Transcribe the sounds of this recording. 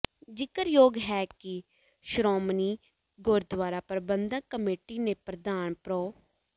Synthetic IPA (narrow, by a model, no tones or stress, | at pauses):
d͡ʒɪkəɾjoːɡɦɛːkɪ | ʃɾɔːmniː | ɡʊɾd̪ʋaːɾaːpəɾbənd̪ãːkəmeːʈiːneːpɾəd̪aːnpɾoː